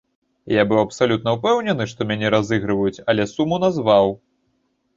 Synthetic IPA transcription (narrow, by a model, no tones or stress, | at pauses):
jabɨwɐpsalʲut̪nɐupɛwnʲɛnɨʂt̪ɔmʲanʲɛɾazɨɣɾɨvɐjut͡sʲɐlʲɛsumunazvaw